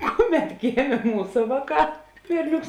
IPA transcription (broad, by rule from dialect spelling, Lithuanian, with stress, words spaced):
ˈkʊˌmʲɛt ˈɡʲeːmʲeː ˈmuːsɐ ˈʋɑːˌkɑː ˈbʲɛrʲˌnʲoːks